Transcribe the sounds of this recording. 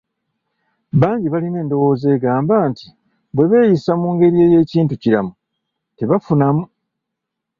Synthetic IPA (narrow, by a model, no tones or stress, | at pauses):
βaːɲɟiβaline̞ːndo̞wo̞ːze̞ːɡaːmbaːnti̥ | bwe̞βe̞ːjisamuːŋɡe̞ɾie̞ːje̞ːciːntuciɾamu | te̞βafunamu